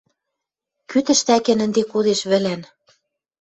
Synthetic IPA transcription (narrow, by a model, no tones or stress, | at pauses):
kyt̪ɘ̆ʃt̪ækĕnə̆nd̪ekuðeʃβɘ̆læn